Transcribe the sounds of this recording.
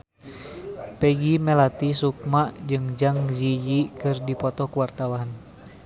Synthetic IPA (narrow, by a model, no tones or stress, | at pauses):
pɛɡimɛlat̪isuk̚maʔd͡ʒɨŋd͡ʒaŋzijikɨrdipɔt̪ɔkuwart̪awan